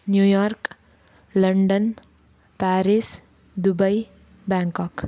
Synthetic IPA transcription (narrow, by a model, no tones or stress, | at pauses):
njujɔɾk | lʌɳɖən | paɾis | d̪ubʌj | baŋkʌk